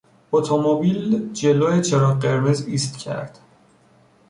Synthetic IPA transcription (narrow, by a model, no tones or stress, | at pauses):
ot̪ʰomobiːld͡ʒeloːet͡ʃʰeɾɒːɢe̞ɾmeziːst̪cʲʰæ̰ɾd̪̥